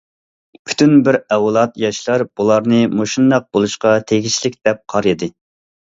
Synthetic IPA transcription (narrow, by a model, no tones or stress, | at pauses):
pʰy̥t̪ʰynbɪɾɛwlˠɑt̪jɑʃlˠɑɾb̥ulˠɑɾnɨmoʃund̪ɑq̚bolˠuʃqɑt̪ʰeɡʲiʃlɪk̚ʲd̪̥ɛp̚qʰɑɾɨd̪ɨ